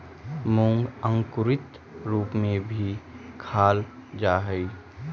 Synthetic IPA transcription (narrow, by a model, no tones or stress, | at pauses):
mʊ̃ŋɡə̃ŋkʊɾɪt̪ | ɾuːpmẽbʱikʰaːld͡ʒaːɦɛi